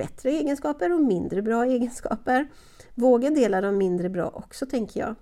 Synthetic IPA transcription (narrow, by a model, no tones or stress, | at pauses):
ɛt̪ɾəeːɡənskɑːpəɾɔmɪnd̪ɾəbɾɑːeːɡənskɑ̰ːpəɾ | voːɡaɖ̪eːlad̪ɔmːɪnd̪ɾəbɾɑ̰ːʔɔksɔt̪ʰɛŋkəjɑ̰ː